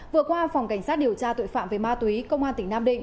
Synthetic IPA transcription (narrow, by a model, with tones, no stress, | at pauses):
vɨ˨˧˨əkwaː˧fa˨˩wŋ͡mka˧˩jŋ̟sa˦˥t̚ɗi˨˩əwt͡ɕaː˧t̪o̰˧˨jfa̰ː˧˨mve˨˩maː˧t̪wi˨˦kə˧wŋ͡mʔaː˧nt̪ï˧˩ŋnaː˧mɗḭ̈˧˨ŋ̟